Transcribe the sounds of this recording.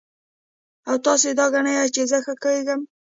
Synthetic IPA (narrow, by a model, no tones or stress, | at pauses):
awt̪ɑsed̪ɑɡanəjat͡ʃezəxakəweɡəm